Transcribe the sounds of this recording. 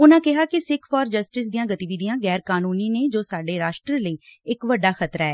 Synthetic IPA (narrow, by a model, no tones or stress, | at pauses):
ʊnãːkɪɦaːkɪsɪkʰfɔːɾd͡ʒəsʈɪs̬d̪ijãːɡət̪iːʋid̪ijãːɡɛːɾkaːnuːniːneːd͡ʒoːsaːɖeːɾaːʃʈɾələiːɪkʋəɖːaːxət̪ɾaːɛː